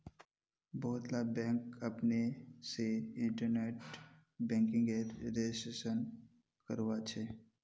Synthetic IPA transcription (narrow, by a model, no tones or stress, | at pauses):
bɔːʊt̪labɛ̃ːŋkɐpneseɪ̃ɳʈəɾneːʈ | bɛ̃ːŋkɪ̃ŋɡeɾɾed͡ʒɪsʈeːʃən | kəɾʋat͡ʃʰe